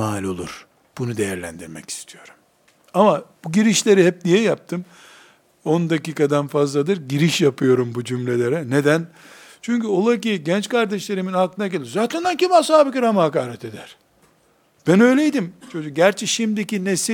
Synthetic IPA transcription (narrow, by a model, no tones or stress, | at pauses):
aːlʲo̞lˠṵɾ̥ | b̥unud̪e̞jæɾlʲæ̰nd̪iɾmɛ̰ci̥st̪ʰijo̞ɾu̥m | amab̥uɟiɾiʃlʲe̞ɾihɛp̚nijɛjap̚t̪ʰɯm | o̞nd̪aciːkad̪anfazlˠad̪ɯɾɟiɾiʃjapɯjo̞ɾumbud͡ʒymlʲelʲe̞ɾɛned̪æn | t͡ʃʰyɲʲcyolˠak̬iɟɛnt͡ʃkaɾd̪eʃlʲeɾiminaklˠɯnaɡelʲiɾzaːt̪ʰɛnd̪æncʰimasaːbikiɾamɯɦakaːɾɛt̪ʰe̞d̪æɾ̥ | b̥ænø̞jlʲejid̪imt͡ʃʰo̞d͡ʒuk̚ɟæɾt͡ʃʰɛʃimd̪icinesi